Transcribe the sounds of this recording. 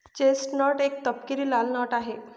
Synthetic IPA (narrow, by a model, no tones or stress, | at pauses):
t͡ɕesʈnɔʈek̚t̪əpkiɾiːlalnɔʈaɦe